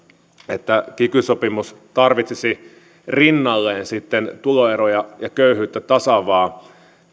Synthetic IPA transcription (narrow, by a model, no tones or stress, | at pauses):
et̪ːækikysopimust̪ɑrʋit̪sesi | rinːɑlːeːnsit̪ːent̪uloeɾojɑjɑkøyhyːt̪ːæt̪ɑsɑʋɑː